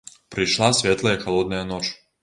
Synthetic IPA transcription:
pɾiʃlˠasʋʲjet̪lˠajexalˠod̪najanot͡ʃ

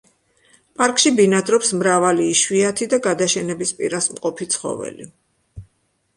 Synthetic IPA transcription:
pʼaɾkʼʃibinad̪ɾɔpsmɾavaliːʃwiat̪ʰid̪aɡad̪aʃɛnɛbispʼḭɾasmqʼɔpʰit̪sʰχɔ̰vɛ̰lḭ

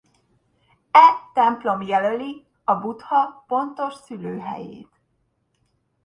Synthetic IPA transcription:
ɛt̪ɛmplo̞mjɛløli | ɒbut̪hɒpo̞nt̪oʃsyløːɦɛ̰jḛːt̪

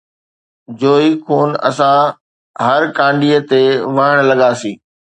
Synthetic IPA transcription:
d͡ʑoːikʰuːnɐ̰sã | ɦɐɾkãːɳɖiːət̪eʋɐɦəɽ̃lɐɠaːsĩː

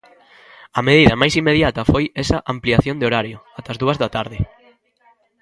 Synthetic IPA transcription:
ɐmeðiðɐmajsimːeðjat̪ɐfojɛsɐʔampliaθjõnd̪eoɾaɾjʊat̪ɐzðuɐzðɐt̪aɾðɪ

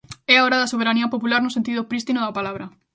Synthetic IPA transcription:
ɛaoɾɐðɐsoβ̞eɾaniɐpopulaɾnʊsent̪iðopɾist̪inoðɐpalaβɾɐ

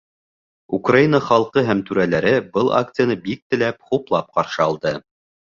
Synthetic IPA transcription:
ukrainəχɑlˠqɤɦæmt̪ʉɾælæɾɘbɤlˠʔa̰k̚t̪sɨjanɤbik̚t̪ɘ̆læp̚χuplˠɑp̚qɑɾʃɤɑlˠd̪ɤ

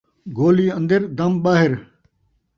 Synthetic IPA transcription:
ɡoːliːɐ̃nd̪əɾd̪ɐmɓaːɦɪɾ

